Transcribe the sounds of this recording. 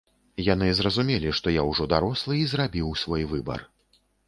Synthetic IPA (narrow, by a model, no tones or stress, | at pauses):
jan̪ɨzrɐzumʲɛlʲiʂt̪ɔjawʐɔd̪aɾɔslˠɨizrabʲiwsvɔjvɨbɐ̰r